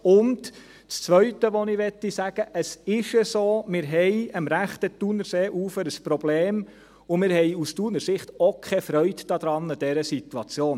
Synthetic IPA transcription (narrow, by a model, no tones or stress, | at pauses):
ʊnt | t͡st͡sʋœɥtəʋɔnɪʋɛtːisæɡ̥əʔəsɪʃəsoːmɪːɾɦɛjəmɾæχt̪ət̪unəɾseːʔuːfəɾəspɾɔbleːm | ʊmɪːɾɦɛjustunəɾsɪχtokʰχɛfɾœʏdd̥ɑd̪ɾɑnːəd̥ɛɾəsit̪uɑt͡sjoːn